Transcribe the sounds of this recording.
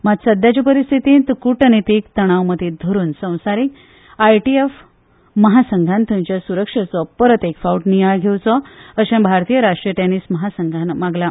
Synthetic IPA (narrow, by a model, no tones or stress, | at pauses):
mad͡zsəd̪ʱjat͡ɕipəɾist̪ʰit̪ĩːnt̪kuʈənit̪ikt̪əɽ̃aʋməd̪ʱid̪ʱəɾuːnsə̃w̃saɾik | ajʈief | məɦasəŋɡʱant̪ũmt͡ɕjasuɾəkʂət͡sɔpəɾət̪ekfauʈnijajɡʱewt͡sɔəɕãbʱaɾt̪ijəɾaʂʈɾijəʈenisməɦasəŋɡʱanmaɡla